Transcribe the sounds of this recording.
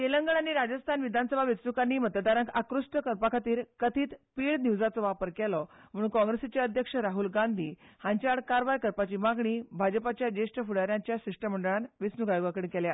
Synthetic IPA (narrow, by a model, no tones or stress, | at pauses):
keləŋɡəɳanːiɾad͡ʑəst̪ʰanʋid̪ʱansəbʱaʋit͡snukanːiːmət̪əd̪aɾəŋkakɾusʈəkəɾpakʰat̪iːɾkət̪ʰiːt̪piːɭniuʋd͡zat͡sɔʋapəɾkɛlɔm̤əɽ̃uːnkɔ̃ŋɡɾesit͡ɕjaəd̪ʱjəkʂəɾaɦulɡand̪ʱiːhãɲt͡ɕaɽkaɾʋajkəɾpat͡ɕiːmaɡɳiːbʱad͡ʑəpat͡ɕjad͡ʑeʂʈəfuɽaɾjaɲt͡ɕjasiʂʈəm̤əɳɖəɭanʋit͡snuɡajoɡakəɽkɛlja